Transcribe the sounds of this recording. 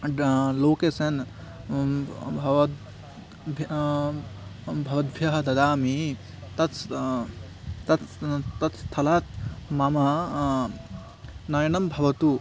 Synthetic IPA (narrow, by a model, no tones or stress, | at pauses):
loːkeːsɐn | ʋ | bʱɐʋɐd̪̚bʱjɐɦɐ̆d̪ɐd̪aːmi | t̪ɐt̪ | t̪ɐt̪t̪ɐt̪st̪ʰɐlaːt̪̚mamɐ | nɐjɐnɐmbʱɐʋɐt̪u